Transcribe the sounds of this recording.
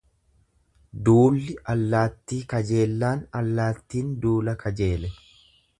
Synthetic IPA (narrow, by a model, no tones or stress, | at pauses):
d̪uːlːɪɐlːaːt̪ːiːkɐd͡ʒe̞ːlːaːnɐlːaːt̪ːiːnd̪uːlɐkʰɐd͡ʒe̞ːlɛ